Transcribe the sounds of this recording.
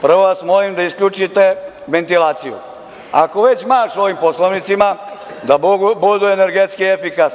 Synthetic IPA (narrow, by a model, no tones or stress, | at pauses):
pr̩ʋo̞ʋasmolimd̪aisklʎut͡ʃit̪e | ʋe̞nt̪ilaːt̪sijṵ | a̰ko̞ʋe̞t͡ɕmaːʃo̞ʋimposlˠoʋnit̪simad̪abud̪uene̞ɾɡet̪skiefikas